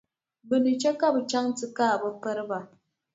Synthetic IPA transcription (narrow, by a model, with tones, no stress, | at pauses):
bɨ˨ni˨t͡ʃe˦ka˦bɨ˨t͡ʃa˦ŋ˦tɨ˦kaː˦˨bə˦pə˦ɾɨ˦ba˨